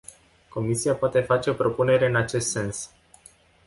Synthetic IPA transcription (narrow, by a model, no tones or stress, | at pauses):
ko̞misiapoat̪e̞fat͡ʃe̞opɾo̞pune̞ɾe̞ɨnat͡ʃe̞st̪se̞ns